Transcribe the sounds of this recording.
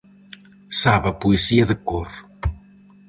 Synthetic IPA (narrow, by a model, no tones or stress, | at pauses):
saβɐpuesiɐðəkor